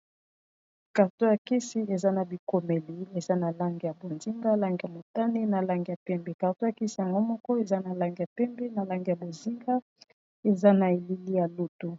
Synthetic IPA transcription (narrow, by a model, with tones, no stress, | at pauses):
ka˨ʁto˦ja˨ki˦si˦e˨za˦na˨bi˨ko˨me˨li˨˦e˨za˦na˨la˦ŋɡi˨ja˨bo˨nzi˦ŋɡa˦la˦ŋɡi˨ja˨mo˨ta˦ni˦na˨la˦ŋɡi˨ja˨pɛ˦mbɛ˨ka˨ʁto˦ja˨ki˦si˨ja˨ŋɡo˦mɔ˦kɔ˦e˨za˦na˨la˦ŋɡi˨ja˨pɛ˦mbɛ˦na˨la˦ŋɡi˨ja˨bo˨zi˦ŋɡa˦ | e˨za˦na˨e˨li˦li˦ja˨lu˦tu˨